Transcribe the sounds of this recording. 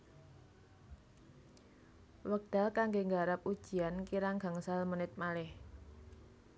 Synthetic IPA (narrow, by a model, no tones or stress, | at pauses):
wək̚d̪̥a̤lkaŋɡeŋɡaɾap̚ud̥ʒ̥i̤ankiɾaŋɡ̥a̤ŋsalmənɪt̪̚malɪh